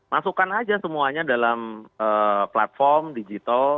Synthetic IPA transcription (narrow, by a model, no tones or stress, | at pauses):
masukanad͡ʒasəmuaɲadalaməːpla̰t̪̚fɔrmdid͡ʒit̪al